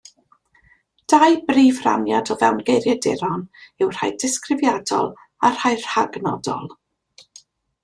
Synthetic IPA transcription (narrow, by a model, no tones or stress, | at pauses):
d̥ajbriːvra̰njadɔvɛwnɡejɾjɛdɪɾɔnɪwr̥a̰jdɪskrɪvjadɔ̰lˠ | ar̥hajr̥haɡnɔ̰dɔ̰lˠ